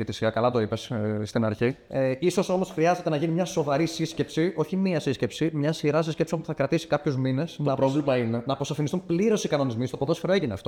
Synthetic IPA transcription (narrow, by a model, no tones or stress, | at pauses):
ʝɐt̪isiɣɐkɐlɐt̪o̞ipesst̪inɐɾçieiso̞so̞mo̞sxɾiɐze̞t̪e̞nɐʝinimɲɐso̞vɐɾisisce̞psio̞çimiɐsisce̞psimɲɐsiɾɐs̬escepsompu̥θɐkɾɐt̪isi̥kɐpçozmine̞snɐpɾovlimɐinenɐpo̞sɐfinist̪unpliɾo̞sikɐno̞nizmist̪opoðo̞sfiɾoeʝineɐ̰ft̪o̞